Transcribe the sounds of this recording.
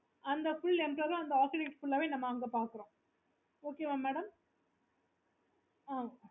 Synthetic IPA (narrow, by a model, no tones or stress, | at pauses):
ɐnd̪ɐfʊɭɛnʈɾɐɾʊ̃ɐnd̪ɐaːkɪʈɪkʈfʊɭːɐʋeːnɐmːɐːŋɡɐpaːɾkɯɾõː | oːkeʋamːæːɽɐm | aː